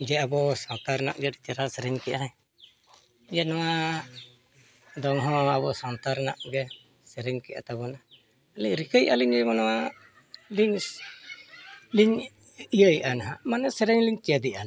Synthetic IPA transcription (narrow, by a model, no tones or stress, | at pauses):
d͡ʒɛabɔsɔnt̪aɾna̰ʔɡɛɾit̪aɾasɛɾɛɲkɛʔaɛ | d͡ʒɛnɔwa | d̪ɔŋɦɔ̃abɔsɔnt̪aɾnaʔɡɛ | sɛɾɛɲkɛʔa̰t̪abɔna | aliʔɾikəjʔaliɲd͡ʒɛmɔnɔwa | liɲ | liɲ | ijəjʔanaɦamanɛsɛɾɛɲliɲkiəd̪iʔan